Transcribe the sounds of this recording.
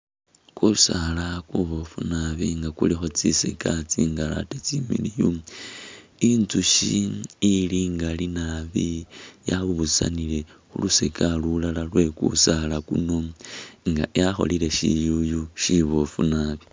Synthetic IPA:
kusalakuβofunaβiŋɡakulixo̞t͡sisekat͡siŋɡala̰tet͡similiju | inzuʃiː | liŋɡalinaβijaβuβusa̰nile̞xṵlusekalulalalwe̞kṵsalakunoŋɡajaxo̞̰lile̞ʃḭjujuʃiβofunaβi

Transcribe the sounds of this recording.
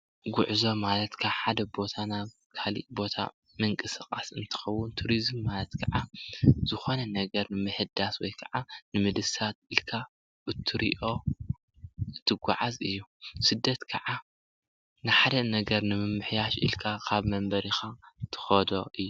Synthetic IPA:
ɡʊʕzo̞malɐt̪kʰaħad̪ɐbo̞t̪ʰanaβ | kʰalḭʔbo̞t̪ʰa̰ | mɨŋkʼɨsɨkʼasɨnt̪ʰɨ̥xɐwːʊnt̪ʰuɾizɨmːalɐt̪kʰɐʕazɨxo̞nɐnɐɡɐɾnɨmɨħɨd̪aswɔjkʰɐʕanɨmɨd̪ɨsat̪̚ɨlkʰa | ɨt̪ʰɨɾḭʔo̞ | ɨt̪ʰːɨɡʷa̰ʕazɨjːusɨd̪ːɐt̪kʰɐʕa | nɨħad̪ɐnɐɡɐɾnɨmɨmɨħjaʃḭlkʰakʰaβmɐmbɐɾixat̪ʰɨ̥xɐd̪o̞ʔɨjːu

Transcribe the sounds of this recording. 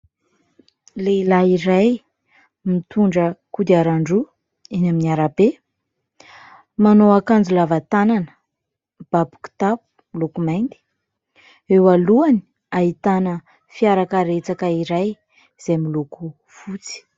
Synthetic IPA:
leilaiɾaj | mit̪uɳɖ͡ʐəkud̪iaɾaɳɖ͡ʐu | inaminiaɾabe | manoakand͡zulavat̪ananə̥ | b̥abu̥ki̥t̪apu̥milokumajnt̪i̥ | ewaluani̥ | aɦit̪anə | fiaɾakəɾet͡sakəiɾaj | z̥emiluku | fut͡si̥

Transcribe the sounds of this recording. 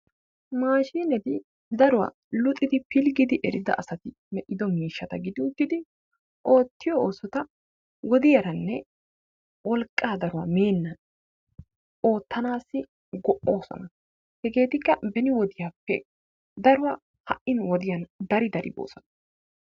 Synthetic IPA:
maːʃiːnɛt̪ɪ | d̪ɐɾʊwa̰ | lʊt̪ʼɪd̪ɪpɪlɡɪd̪ɪʔɛɾɪd̪ɐ̰ʔɐsɐt̪ɪ | mɛʔɪd̪ɔmiːʃːɐt̪ɐɡɪd̪ɪʊt̪ːɪd̪ɪ | ʔo̞ːt̪ːɪjɔoːsɔt̪ɐ | wɔd̪ɪjɐɾɐnːɛ | wɔlkʼːaːd̪ɐɾʊwɐmeːnːɐn | o̞ːt̪ːɐnaːsːɪ | ɡɔʔːo̞ːsɔ̰nɐ | hɛɡe̞ːt̪ɪkːɐbɛnɪwɔd̪ɪjaːpːɛ̰ | d̪ɐɾʊwa | hɐ̰ʔɪnwɔd̪ɪjɐnd̪ɐɾɪd̪ɐɾɪ̰bo̰ːsɔnɐ̥

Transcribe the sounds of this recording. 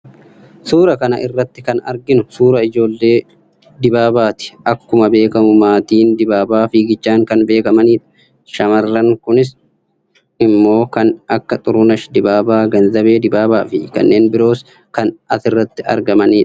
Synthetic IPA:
suːɾɐkɐnɐ̰ʔɪrːɐt̪ːɪkɐnɐ̰ɾɡɪnʊsuːɾɐɪd͡ʒo̞ːlːe̞ː | d̪ɪbaːbaːt̪ɪ̥ʔɐkːʊmɐbe̞ːkɐmʊmaːt̪iːnd̪ɪbaːbaːfiːɡɪt͡ʃːaːŋkɐnbe̞ːkɐmɐniːᶑɐ̥ | ʃɐmɐrːɐŋkʊnɪs | ɪmːo̞ːkɐnɐkːɐt̪ʼʊɾʊnɐʃd̪ɪbaːbaːɡɐnzɐbe̞ːd̪ɪbaːbaːfɪkɐ̰nːe̞ːnbɪɾo̞ːs | kɐnɐsɪrːɐt̪ːɪɐ̰ɾɡɐmɐniːᶑɐ̥

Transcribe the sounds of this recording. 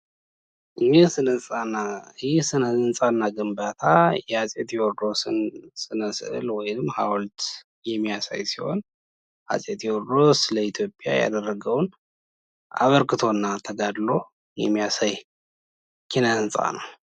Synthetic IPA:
ɨɲːesɨnəsʼanːaɨjɛsɨnəɨnsʼanːaɡɨmbat̪ʰajɛhasʼet̪jɛwɔɾd̪o̞sɨnsʼɨnəsɨ̰ʔɨ̰lwɔjnɨmːhawlt̪ | jɛmːijasa̰jsiho̞̰n | ʔa̰sʼet̪jɛwɔɾd̪o̞sɨləit̪ʰjo̞pʼːja̰ja̰d̪ərːəɡəwn | ʔa̰βəɾkɨt̪ʰo̞nːat̪ʰəɡad̪lo̞ | jɛ̰mːijasaj | kʰinəɨnsʼa̰nə̰w

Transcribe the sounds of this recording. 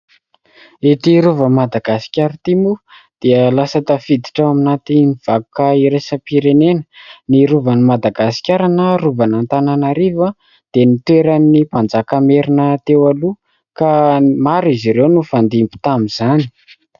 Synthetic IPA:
et̪iɾuvəmad̪aɡasi̥kʲaɾit̪imu | d̪̥iəlasət̪afid̪iʈ͡ʂaaminat̪iniv̥akukaiɾesəpiɾenenə̥niɾuvanimad̪aɡasi̥kʲaɾanəruvanant̪ananaɾivə | d̪̥enit̪eɾanːipand͡zakameɾinət̪ewalu | kamaɾiziɾewnufand̪imbu̥t̪amizani̥

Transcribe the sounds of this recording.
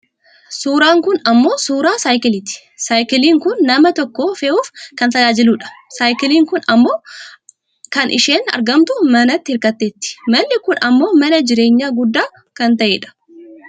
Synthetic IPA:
suːɾaːŋkʊnɐmːo̞ːsuːɾaːsaːjkɪlɪt̪ɪ̥ | saːjkɪliːŋkʊnːɐmɐt̪ɔkːoːfeːuːfkɐnt̪ɐd͡ʒaːd͡ʒɪluːᶑɐ̥saːjkɪliːŋkʊnɐmːo̞ː | kɐnʔɪ̰ʃeːnɐ̰ɾɡɐmt̪ʊmɐnɐt̪ːɪhɪɾkɐt̪ːeːt̪ːɪ̥mɐnːɪkʊnɐmːo̞ːmɐnɐd͡ʒɪɾeːɲːaːɡʊd̪ːaː | kɐnt̪ɐʔeːᶑɐ̥

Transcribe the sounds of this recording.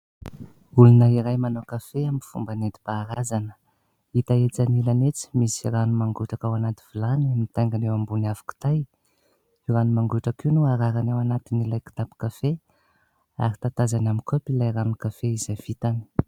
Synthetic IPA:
ulunəiɾajmanokafeamifumbaned̪i̥b̥aːɾazanə̥ | it̪aet͡sanilanet͡si̥misiranumaŋɡuʈ͡ʂakawanat̪i̥v̥ilanimit̪ajŋɡanewambunafḁku̥t̪aj | iɾanumaŋɡuʈ͡ʂakiwnuaɾaɾanewanat̪inilajki̥t̪api̥kafe | a̰ɾit̪at̪azanamikopilajranikafeizav̥it̪ani̥

